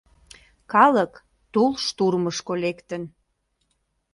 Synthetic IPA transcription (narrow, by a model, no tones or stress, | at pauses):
kɑlək | t̪ulʃt̪urməʃkolekt̪ən